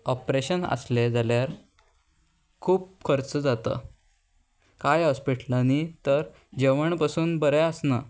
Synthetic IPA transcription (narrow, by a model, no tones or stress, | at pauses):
ɔpɾeɕənə̰sled͡zaljaɾ | kʰuːp̚kʰəɾt͡səd͡zat̪ə̰ | kajɔspiʈʰlənit̪əɾ | d͡ʑeʋəɳpasuːnbəɾɛəsnə